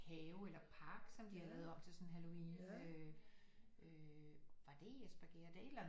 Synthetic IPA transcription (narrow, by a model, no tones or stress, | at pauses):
hɛːʊelɐpʰɑ̈ɡ̥sɒ̽md̥ihɑ̈lɛːʊð̞̩ˠɒ̽b̥t͡sʰe̝sɒ̽nɦælo̝iːnø | ʔøʋɑ̈d̥e̝esb̥æɡ̥e̝ɐd̥e̝e̝d̥læn